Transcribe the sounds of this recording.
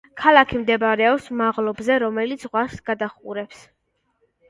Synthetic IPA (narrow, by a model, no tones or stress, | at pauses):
kʰalˠakʰimd̪ɛbaɾɛɔpsmaʁlˠɔbzɛɾɔmɛlit̪sʰʁwasɡ̥ad̪aχṵɾɛps